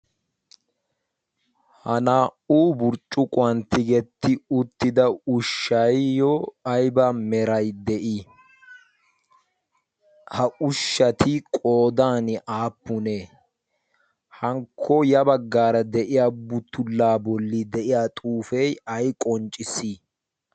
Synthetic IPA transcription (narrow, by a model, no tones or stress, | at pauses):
hɐnaːʔuːbʊɾt͡ʃʼːʊkʼʊɐnt̪ːɪɡɛt̪ːɪʊt̪ːɪd̪ɐʊʃːɐjjɔɐjbɐmɛɾɐjd̪ɛʔi | hɐʔʊʃːɐt̪ɪkʼoːd̪aːnɪʔaːpːʊneː | hɐŋkʰːɔjɐbɐɡːaːɾɐd̪ɛʔɪjabʊt̪ːʊlːaːbɔlːid̪ɛʔɪjaːt̪ʼuːfɛjɐjkʼɔnt͡ʃʼɪsi